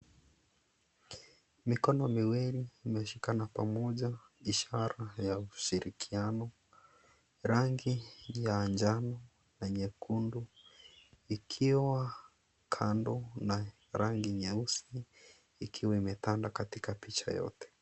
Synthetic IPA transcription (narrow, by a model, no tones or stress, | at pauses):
mikɔnɔmiwiɾiːmɛʃikanapamɔʄa | iʃaɾajauʃiɾikʰianɔ | ɾaŋɡijaːnd͡ʒanɔ | naɲɛkundu | ikʰiwa | kʰandɔna | ɾaŋɡiɲɛusiː | kʰiwaimɛtandakatikapit͡ʃa̰jɔ̰tɛ̥